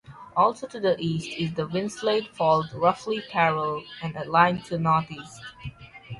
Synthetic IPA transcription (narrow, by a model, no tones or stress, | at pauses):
ʔɔlˠsotudəʔiːstʰɪzd̪əwɪ̃nsledfɔldɹʌflikʰɛɹəlɛ̃nəlãɪ̃ntʰunɔtiːst